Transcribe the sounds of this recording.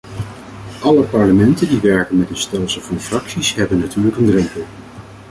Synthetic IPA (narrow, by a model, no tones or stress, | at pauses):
ʔɑləpɑɹləmɛntəndiʋɛɹkənmɛtənstɛlˠsəl̩ˠvɑnfrɑksisɦɛbənːatyːɹləkəndrɛmpəlˠ